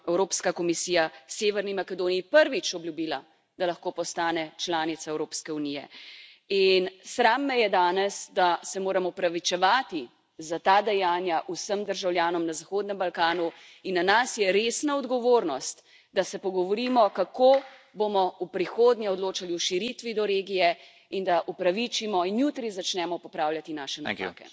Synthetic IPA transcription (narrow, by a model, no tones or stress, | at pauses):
ɛwɾoːpskakɔmisiːjaseːʋɛɾnimakɛd̪oːnijipəɾʋit͡ʃɔbljubiːla | d̪̥alaxkoːpɔst̪aːnɛt͡ʃlaːnit̪saɛwɾoːpskɛunijɛ̰ | insɾaːmːɛjɛd̪aːnɛsd̪asɛmoːɾamɔpɾaʋit͡ʃɛʋaːt̪i | zat̪aːd̪ɛjaːnjaʔusəmd̪əɾʒawljaːnɔmnazaxoːd̪nɛmbalkaːnu | inːanasjɛɾeːsnaɔd̪ɡɔʋoːɾnɔst̪ | d̪asɛpɔɡɔʋɔɾiːmɔkakoːbomɔupɾixoːd̪njɛɔd̪loːt͡ʃaliuʃiɾit̪ʋid̪ɔɾeːɡijɛ | ind̪aʔupɾaʋit͡ʃimɔinjut̪ɾizat͡ʃnɛmɔpɔpɾaːwlʲjat̪inaːʃɛnato̰kɛ̰